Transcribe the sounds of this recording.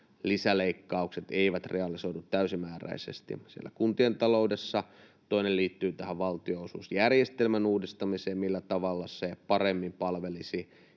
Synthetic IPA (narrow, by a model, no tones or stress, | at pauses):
lisæleikːɑukset̪eiʋæt̪rʔeɑlisoitut̪tæysimæːræ̰isḛst̪ḭsiḛlːæ̰kunt̪ient̪ɑloudesːɑ | t̪oinelliːt̪ːyːt̪æhæʋʋɑlt̪ioːsṵːsjærjest̪elmænuːdist̪ɑmiseːmmilːæt̪ɑʋɑlːɑsepɑremːimpɑlʋelisi